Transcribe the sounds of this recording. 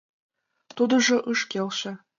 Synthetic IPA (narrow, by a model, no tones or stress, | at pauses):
t̪ud̪ɤ̆ʐɤ̆ʔɯʃkʲelʲʃɘ̆